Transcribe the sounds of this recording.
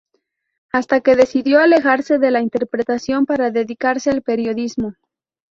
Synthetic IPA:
ast̪ake̞ðe̞siðjo̞ale̞xaɾse̞ðe̞laint̪e̞ɾpɾe̞t̪asjo̞mpaɾaðe̞ðikaɾse̞alpe̞ɾjo̞ðizmo̞

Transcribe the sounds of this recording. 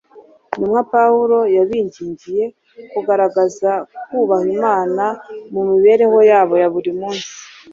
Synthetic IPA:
nimŋapauɾo̞jaβiːɲɟiːɲɟije̞ | kuɡaɾaɡazakuːβahimaːnamumiβe̞ːɾe̞ho̞jaːβo̞jaβuɾimuːnsi̥

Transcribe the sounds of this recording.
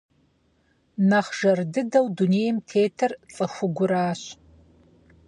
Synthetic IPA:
nɐχʒ̥ɐrdɨdɐwduneːjɛmtʰeːtʰɐrt͡sʼɐxʷʊɡʷʊɾaːɕ

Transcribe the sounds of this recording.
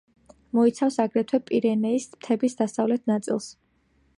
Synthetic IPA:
mɔit̪sʰafsaɡɾɛt̪ʰwɛpʼiɾɛnɛismt̪ʰɛbisd̪asavlɛt̪̚ʰnat̪sʼḭlˠs

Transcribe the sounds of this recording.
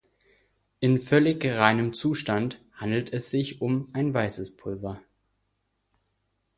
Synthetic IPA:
ʔɪnfœlɪçʁaɪnəmt͡suːʃtanthandl̩tʰɛsz̥ɪçʊmʔaɪnvaɪsəspʰʊlvɐ

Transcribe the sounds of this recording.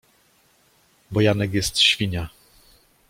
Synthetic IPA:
bɔjanɛkjɛst̪ɕfʲiɲa

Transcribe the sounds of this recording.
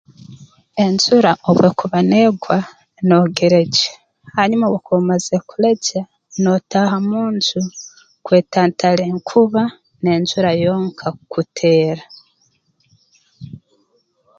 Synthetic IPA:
e̞nzuɾaʔoβwekuβaneːɡwa | no̞ɡeɾe̞ɟe | haɲumawekomazekuleɟa | no̞tahamuːntu | kwe̞ːtaːntʰaleŋkʰuβa | ne̞ːnzuɾajo̞ːŋkʰakutʰe̞ːɾa

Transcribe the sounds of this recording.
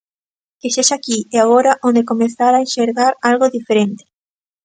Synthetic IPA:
keseʃakieaɣoɾaʔõnd̪ekomẽθaɾaenʃeɾɣaɾalɣoðifeɾent̪e̥

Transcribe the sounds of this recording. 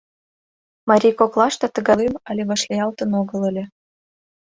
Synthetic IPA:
mɑɾʲijkoklˠɑʃt̪ɑt̪ɤ̆ɣɑlemɑlʲeβɑʃlʲeɑlt̪ɤ̆noɣɤ̆lə̆lʲĕ

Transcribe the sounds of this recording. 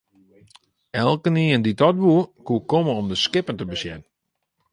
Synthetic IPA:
ɛlˠkəniːənditɔt̚buəkuəkoməɔmdəskɪpəntəbəsjɛnn

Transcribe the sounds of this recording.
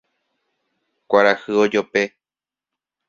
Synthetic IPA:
kʷaɾahɨod͡ʒope̞

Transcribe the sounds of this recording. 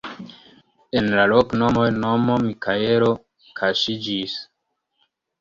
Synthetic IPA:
enlalokno̞mo̞jno̞mo̞mikʰaeɾo̞ | kʰaʃid͡ʒis

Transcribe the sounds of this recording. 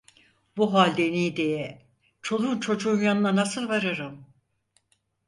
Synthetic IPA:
buɦalʲd̪enijd̪ejɛ | t͡ʃʰo̞lˠunt͡ʃʰo̞d͡ʒuːnjanɯnanasɯlˠvaɾɯɾɯm

